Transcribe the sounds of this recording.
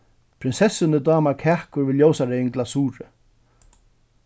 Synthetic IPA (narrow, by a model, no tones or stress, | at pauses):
pʰɾɪnsɛsɪnəd̪ɑːmaɾkʰæːkʊɾʋɪljoːwsaɾeɪŋɡlasuːɾɪ